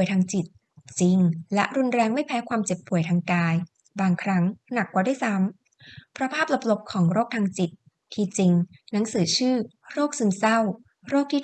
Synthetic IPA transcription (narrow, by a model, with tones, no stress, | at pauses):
əjt̪ʰaː˧ŋt͡ɕi˨˩t̪̚ | t͡ɕi˧ŋlɛ˦˥ʔɾu˧nɾɛː˧ŋma˥˩jpʰɛː˦˥kʰwaː˧mt͡ɕe˨˩pʰːu˨˩˦əjt̪ʰaː˧ŋkaː˧j | baː˧ŋkʰɾa˦˥ŋna˨˩kwaː˨˩da˥˩jsa˦˥m | pʰɾɔ˧˦˥pʰaː˥˩p̚la˨˧˩p̚lo˨˦˥p̚kʰɔː˩˦ŋɾoː˥˩k̚t̪ʰaː˧ŋt͡ɕi˨˩t̪̚ʰː | iː˧t͡ɕi˧ŋna˩˦ŋsɯː˩˦t͡ɕʰɯː˥˩ | ɾoː˥˩k̚sɯ˧msa˥˩w | ɾoː˥˩k̚t̪ʰiː˥